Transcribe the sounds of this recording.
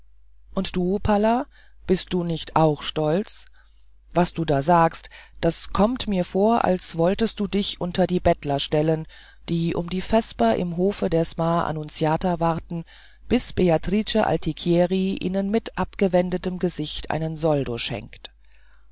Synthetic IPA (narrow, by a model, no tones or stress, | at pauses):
ʔʊntd̥uːpʰala | b̥ɪst̚d̥uːnɪçtaʊxʃtɔlt͡s | vasd̥uːdaːzaːkstd̥askʰɔmtmiːɐfoːɐʔa̰lsv̥ɔltəst̚d̥uːdɪçʔʊntɐdiːbɛtlɐʃtɛlən | d̥iːʔʊ̰mdiːfɛspɐʔɪ̰mɦoːfədeːɐsmaːʔa̰nʊnt͡sjaːtɐvaʁtn̩ | b̥ɪsb̥eatʁ̥iːt͡ʃəʔa̰ltʰikʰjɛːʁiʔḭːnənmɪtʔapɡ̥əvɛndətəmɡəzɪçtʔa̰ɪnənzɔldoʃɛ̰ŋkt